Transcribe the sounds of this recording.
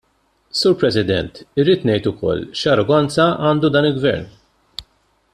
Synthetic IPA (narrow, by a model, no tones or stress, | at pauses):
suːɾpɾɛsɪd̪ɛ̰nt̪ɪɾːiːt̪nɛjt̪ʊkɔ̰lːʃɐɾɔɡɐnt͡sɐʔɐːnd̪ud̪ɐːnɪlɡvɛ̰ɾn